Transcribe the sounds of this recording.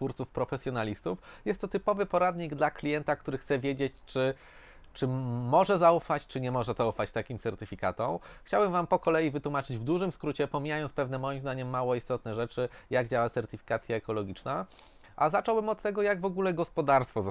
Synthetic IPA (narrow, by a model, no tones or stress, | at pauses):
t̪fuɾt̪sufpɾɔfɛsʲjɔnalʲist̪ufjɛst̪ːɔt̪ɘpɔvɘpɔɾad̪ɲiɡd̪laklʲijɛnt̪akt̪uɾɘxt̪sɛvʲjed͡ʑet͡ɕt͡ʂɘ | t͡ʂɘmːɔʐɛzaufat͡ɕt͡ʂɘɲɛmɔʐɛzaufat͡ɕt̪akʲimt̪sɛɾt̪ɘfʲika̰t̪ɔmxt͡ɕawbɛmvampɔkɔlɛjivɘt̪wumat͡ʂɘd͡ʑvd̪uʐɘmskɾut͡ɕɛpɔmʲijajɔnspɛvnɛmɔjimzd̪aɲɛmːawɔist̪ɔt̪̚nɛʐɛt͡ʂɘjaɡd͡ʑawat̪sɛɾt̪ɘfʲi̥kat̪sʲjaɛkɔlɔɡʲit͡ʂna | ʔazat͡ʂɔwbɘmɔt̪t̪ːɛɡɔjaɡvɔɡulɛɡɔspɔd̪aɾst̪fɔz